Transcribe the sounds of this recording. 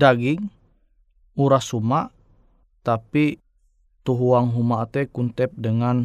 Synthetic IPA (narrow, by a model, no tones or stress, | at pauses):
daɡiŋ | uɾasumaʔ | t̪api | t̪uɦuaŋɦumat̪ɛkunt̪ɛp̚dəŋan